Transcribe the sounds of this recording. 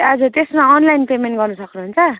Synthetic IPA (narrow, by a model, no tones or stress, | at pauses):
ʌd͡zʌt̪esmaʌnlajnpemenʈɡʌrnusʌknuɦunt͡sʰʌ